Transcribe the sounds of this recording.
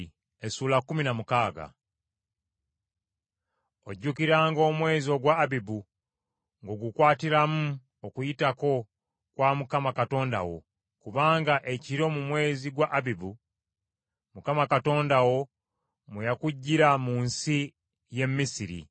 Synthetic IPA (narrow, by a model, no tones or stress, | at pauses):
esuːlakːuminamukaːɡa̰ | oɟːukiɾaːŋɡo̞ːmwe̞ːzio̞ɡwaːbibu | ŋɡo̞ɡukwaːtiɾamu | okujitako̞ | kwamukamakato̞ːnda̰wo̞̰ | kuβaːŋɡaʔe̞ciɾo̞mumwe̞ːziɡwaʔabibu | mukamakato̞ːndawo̞ | mwejakuɟːiɾamuːnsi | je̞mːisiɾḭ